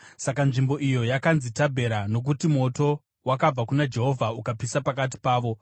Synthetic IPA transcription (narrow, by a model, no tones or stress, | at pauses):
sakanʐimbo̞ʔijo̞jakanzitabʱe̞ɾano̞k̬utimo̞to̞ | wakab͡vakunad͡ʒe̞ɦo̞vʱaukapisapak̬at̬i̥paːʋo̞